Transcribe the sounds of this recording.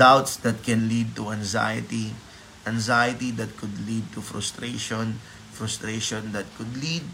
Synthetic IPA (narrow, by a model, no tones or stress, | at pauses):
d̪awt̪sd̪ɐt̪̚kɛ̃nlid̪̚t̪uɐ̃ŋza̰jɪt̪i | ʔɐ̃ŋzajɪt̪id̪ɐt̪̚kʊd̪lid̪̚t̪ufɹʊ̰st̪ɾeʃɔ̃n | fɾʊst̪ɾeʃɔ̃nd̪ɐt̪̚kʊd̪lid̪̚